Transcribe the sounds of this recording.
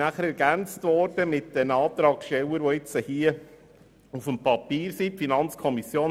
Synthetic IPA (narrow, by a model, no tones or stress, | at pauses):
æχəɾɛɾɡ̥ænt͡stʋɔɾd̥əmɪt̚d̥ɛnɑːt̪ɾɑːkʃtɛləɾʋɔɪt͡səhiə | ufəmpʰɑpiːɾsiːpfinɑnt͡skʰɔmisjoːn